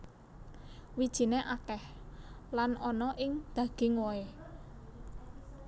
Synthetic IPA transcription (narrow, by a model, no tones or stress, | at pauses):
wid̥ʒ̥i̤neʔakɛhlanʔɔnɔʔɪŋd̪̥a̤ɡ̥ɪŋwɔe